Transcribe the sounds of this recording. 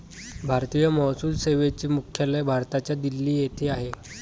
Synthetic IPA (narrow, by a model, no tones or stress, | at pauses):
bʱaɾt̪iːjəmɔɦsuːlseʋet͡ɕiːmukʰjalebʱaɾt̪at͡ɕjad̪ilːiːjet̪ʰeːaɦe